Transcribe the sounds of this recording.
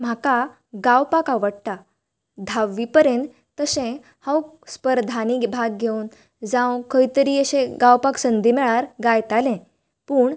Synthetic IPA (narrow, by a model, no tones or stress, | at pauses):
m̤aka | ɡawpakaʋəɽt̪a | d̪ʱaʋːipəɾent̪ | t̪əsẽ | hãw | spəɾd̪ʱanibʱaɡɡʱeuːn | d͡zãwkʰəjt̪əɾiːəɕẽɡawpaksənd̪ʱimɛɭaɾɡajt̪alɛ̃ | puːɳ